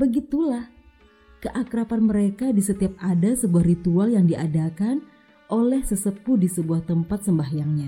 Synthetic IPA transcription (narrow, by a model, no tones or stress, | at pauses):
bəɡit̪ulah | kəʔakɾapanməɾekadisət̪iap̚adasəbuahrit̪ualjaŋdiʔadakan | ʔolɛhsəsəpudisəbuaht̪əmpat̪̚səmbahjaŋɲa